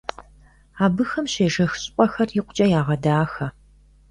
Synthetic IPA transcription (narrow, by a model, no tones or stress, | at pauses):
aːbɨxɐmɕeːʒɐxɕʼpʷʼɔxɐrjɪqʷʊt͡ʃʼɐjaːʁɐdaːxɐ